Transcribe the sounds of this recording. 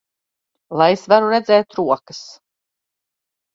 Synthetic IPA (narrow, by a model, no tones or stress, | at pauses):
lˠajesvaɾuɾɛd̪zɛːt̪ɾuɔkəs